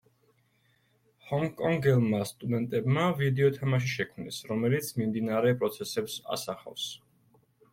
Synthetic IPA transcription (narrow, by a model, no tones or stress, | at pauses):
hɔŋkʼɔŋɡɛlˠmast̪ʼud̪ɛnt̪ʼɛbmavid̪ɛɔt̪ʰɛmaʃ̬iʃɛkʰmnḭsɾɔmɛlit̪sʰmimd̪inaɾɛpʼɾɔt̪sʰɛsɛpsa̰saχa̰fs